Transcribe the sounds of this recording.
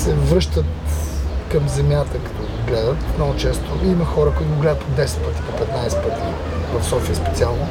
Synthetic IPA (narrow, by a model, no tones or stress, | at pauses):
sɛvɾɤʃt̪ət̪ | kɐmzɛmʲjat̪əkɐ̥t̪ɔɡlɛd̪ət̪mnɔɡʊt͡ʃɛst̪oimɐxɔɾəkoʊit̪ʊɡlɛd̪ət̪pod̪ɛsɛ̥t̪̚pət̪i̥popɛt̪najsɛt̪̚pət̪ʰi | vəfsɔfiəspɛt̪sialˠno